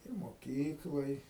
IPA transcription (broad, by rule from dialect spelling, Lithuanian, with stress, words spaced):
ɪr moːˈkʲiːklˠoːj